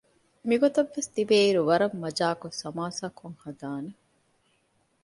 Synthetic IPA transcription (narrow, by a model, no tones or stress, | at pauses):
miɡot̪ɐʋːest̪ibeːiɾuʋɐɾɐmːɐd͡ʒaːkosɐmaːsakʰːoŋhɐd̪aːne